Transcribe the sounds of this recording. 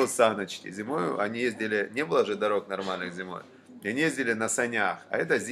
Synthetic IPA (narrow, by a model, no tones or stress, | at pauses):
sanət͡ɕkʲɪ̰zʲɪmojʊ̰ʔɐnʲijezʲdʲɪlʲɪnʲebɨlˠəʐɨd̪ɐɾo̞knɐrmalʲnɨxzʲɪmo̞̰j | ɪɐnʲijezʲdʲɪlʲɪnəsɐnʲaxɐ̰ɛt̪əzʲ